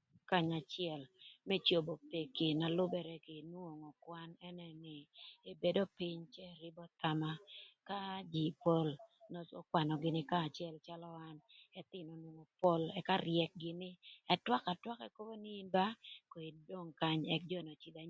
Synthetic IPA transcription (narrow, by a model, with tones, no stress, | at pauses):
ka˦ɲa˨t͡ʃɪɛ˨lmɛ˦t͡ʃo˨bo˨pe˨kɪ˨na˨lʊ˦bɛ˦ɾɛ˦kɪ˨nwo˨ŋɔ˨kwa˦nɛ˦nɛ˨nɪ˨e˨be˨do˦pi˦ɲt͡ʃɛ˦˨ɾɪ˦bɔ˦t̪a˨ma˦ka˦d͡ʒi˨po˦lnɔ˦so̰˦kwa˨nɔ˨ɡɪ˨nɪ˦kaː˦˨t͡ʃɛ˦lt͡ʃa˦lɔ˦wa˦nɛt̪ɪ˦˨no˨nwo˨ŋo˨po˦lɛ˨ka˦ɾjɛ˨k̚ɡɪ˦nɪ˦ɛ˦twa˦ka˨twa˦kɛ˦ko˦bo˦nɪ˦i˦nba˦ko˨i˨do˦ŋka˦ɲɛ˦k̚d͡ʒɔ˦˨no˨t͡ʃi˦d̪a˨